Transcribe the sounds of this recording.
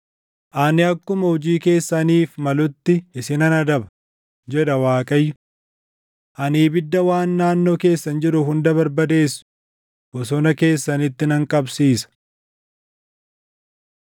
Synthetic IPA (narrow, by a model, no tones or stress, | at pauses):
ʔaːnɪɐkːʊmɐhʊd͡ʒiːke̞ːsːɐniːfmɐlʊt̪ːɪɪsɪnɐnɐd̪ɐbɐ̥ | d͡ʒɛᶑɐwaːkʼɐjːʊ | ʔɐniːbɪd̪ːɐwaːnːaːnːo̞ːke̞ːsːɐnd͡ʒɪɾʊhʊnd̪ɐbɐɾbɐd̪e̞ːsːʊ̥ | bɔsɔnɐke̞ːsːɐnɪt̪ːɪnɐŋkʼɐbsiːsɐ̥